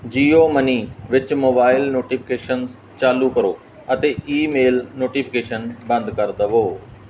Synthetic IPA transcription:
d͡ʒiːoːməniːʋɪt͡ʃmoːbaːɪlnoːʈipʰɪkeːʃənz | t͡ʃaːluːkəɾoː | ət̪eːʔiːmeːlnoːʈiːpʰɪkeːʃənbə̃nd̪kəɾd̪əʋoː

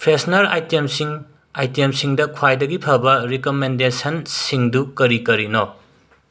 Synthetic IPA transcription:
pʰɾesnɐɾa̰jtemsiŋ | ajtemsiŋdɐkʰwajdɐɡipʰɐbɐɾikomendesɐnsiŋdukɐɾikɐɾino

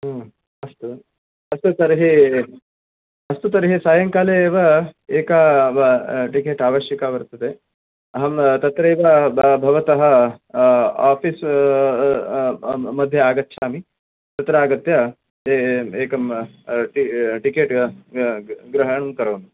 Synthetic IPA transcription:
ɦɐ | ɐst̪u | ɐst̪ut̪ɐɾɦi | ɐst̪ut̪ɐɾɦisaːjɐŋkaːleːʋɐeːka | ʈikeːʈaːʋɐʃjɐkaːʋɐɾt̪ɐt̪e | ɐɦɐmt̪ɐt̪ɾɐeːʋɐbbʱɐʋɐt̪ɐɦɐ | aːpʰiːs | mɐd̪ʱːjɐaːɡɐt̪ːʃʰaːmi | t̪ɐt̪ɾɐaːɡɐt̪jɐ | eeːkɐmʈiʈikeːʈ | ɡɾɐɦɐɳunkɐɾɐʋnu

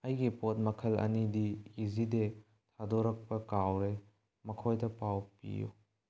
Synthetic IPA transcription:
ɐjɡipot̚mɐkʰɐlɐ̰nidiːzide | tʰadoɾɐk̚pɐkawɾe | mɐkʰojdɐpawpḭjṵ

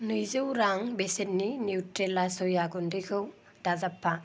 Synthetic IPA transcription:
nɯjzɯwɾaŋbesetnːiniwtɾelasɔjaɡundikʰɯw | d̥azapʰːa

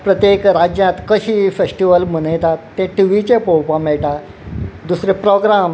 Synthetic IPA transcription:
pɾət̪jekɾad͡ʑjãt̪kəɕiːfesʈiʋəlm̤əɽ̃əjt̪at̪ːẽʈiʋit͡ɕepowpãmɛɭʈa | d̪usɾepɾɔɡɾam

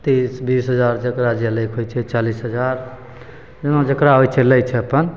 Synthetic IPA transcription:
t̪isbisɦəd͡ʒaɾd͡ʒəkɾad͡ʒeləkʰɦojt͡ʃʰɛt͡ʃalisɦəd͡ʒaɾ | d͡ʒənod͡ʒəkɾaɦojt͡ʃʰɛləjt͡ʃʰɛəpən

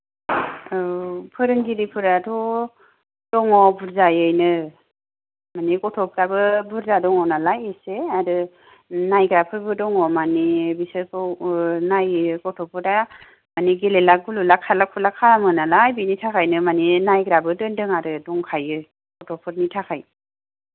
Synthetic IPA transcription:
pʰɯɾɯŋɡiɾipʰɯɾadɔ | d̥ɔŋɔbuɾzajɯjnɯ | manikɔtʰɔpʰɾabɯbuɾzadɔŋɔnalajeseaɾɯ | najɡɾapʰɯɾbɯdɔŋɔmanibisɯpʰɯwnajkɔtʰɔpʰɯɾa | maniɡelelaɡululakʰalak̚pʰulakʰaamɯnalajbinitʰakʰajnɯmaninajɡɾabɯdɯndɯŋaɾɯdɔŋkʰajɯ | kɔtʰɔpʰɯɾnitʰakʰaj

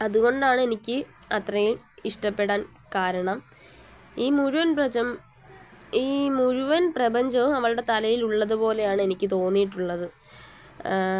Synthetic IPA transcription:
ɐðuɣo̞ɳɖaːɳɨe̞nikʲːɨɐt̪rɐjil | iʂʈɐpːe̞ɽaːn | kaːɾɐɳɐm | iːmuɻuʋɐnprɐd͡ʑɐm | iːmuɻuʋɐnprɐbɐɲd͡ʑɐʋumɐʋɐɭɨɽe̞t̪ɐlɐjiluɭːɐðupo̞ːle̞jaːɳɨe̞nikʲːɨt̪o̞ːnːijiʈːuɭːɐðɨ

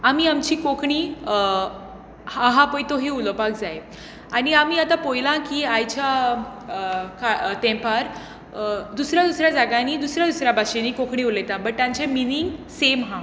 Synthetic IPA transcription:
amiamt͡ɕiːkokʰɳiː | hãɦãpəjt̪oɦiulopak̚d͡zae | aniamiːat̪apojlãkiːajt͡ɕa | kʰat̪ɛ̃paɾ | d̪usɾjad̪usɾjad͡zaɡaniːd̪usɾjad̪usɾjabaɕeniːkokʰɳiulet̪abəʈ̚t̪jãɲt͡ɕeminiŋɡsemɦã

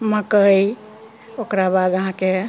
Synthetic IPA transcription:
məkəj | okɾabad̪əɦãke

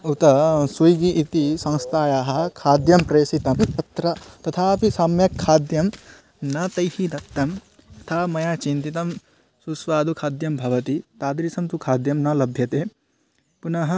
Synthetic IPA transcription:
ut̪ɐsujɡiʔit̪isɐ̃ŋst̪ʰaːjaːɦɐkʰaːd̪jɐmpɾɐjsit̪ɐmt̪ɐt̪ɾɐt̪ɐt̪ʰaːpisɐmjɐkʰːaːd̪jɐm | nɐt̪ɐjhid̪ɐkt̪ːɐm | ɐt̪ʰaːmɐjat͡ʃint̪it̪ɐm | susʋaːd̪ukʰaːd̪jɐmbʱɐʋɐt̪it̪aːd̪ɾisɐmt̪ukʰaːd̪jɐmnɐlɐbʱjɐt̪eː | punɐɦɐ

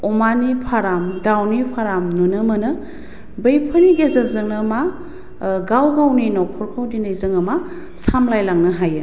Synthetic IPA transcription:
ɔmanipʰaɾamdawnipʰaɾamnunɯmɐnɯ | bəjpʰəniɡezɯzɯŋnɯma | ɡawɡawninɔkʰɔɾkʰawninɯjzɯŋɐma | samlajlaŋnɯɦajɯ

